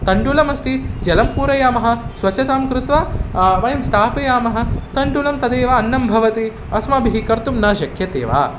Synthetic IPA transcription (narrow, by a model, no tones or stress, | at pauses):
t̪ɐɳɖuːlɐmɐst̪id͡ʒɐlɐmpuːɾɐjaːmɐɦɐ̆sʋɐt͡ʃɐt̪aːmkɾɪt̪ʋaʋɐjɐmst̪ʰaːpɐjaːmɐɦɐ̆t̪ɐɳɖulɐmt̪ɐd̪eːʋɐːnːɐmbʱɐʋɐt̪i | ɐsmɐbʱiɦikɐɾt̪umnɐːʃɐkʰjɐt̪ḛːʋa̰ː